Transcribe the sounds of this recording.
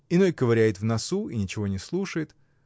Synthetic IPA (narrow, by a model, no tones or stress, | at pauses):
ɪno̞jʲkəvɐɾʲæjɪt̪vnɐsuinʲɪt͡ɕɪvo̞nʲɪslˠuʂəjɪt̪